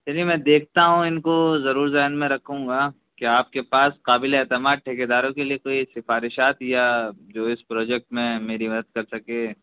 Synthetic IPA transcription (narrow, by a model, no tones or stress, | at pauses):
t͡ʃɛliemɛ̃ːd̪eːk̚ʰt̪aɦũɪnkozɐɾuːɾzɛːɦnmẽɾɐkʰũːɡa | keaːp̚kepaːsqaːbɪleɛːt̪ɪmaːd̪̚ʈʰeːked̪aːɾõkeliekoːisɪfaːɾɪʃaːt̪jad͡ʒoːɪspɾɔːd͡ʒɛk̚ʈmẽmeːɾimɐd̪əd̪̚kɐɾsɐkeː